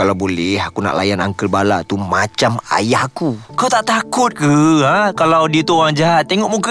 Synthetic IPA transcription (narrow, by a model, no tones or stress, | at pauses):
kalawbolɛɦakuna̰ʔla̰jana̰ŋkəlbala̰ʔt̪umat͡ʃama̰jahakukawt̪aʔt̪akʊt̪̚kəɦãkalawdit̪uoɾaŋd͡ʒaɦat̪̚ːeŋɔʔmuka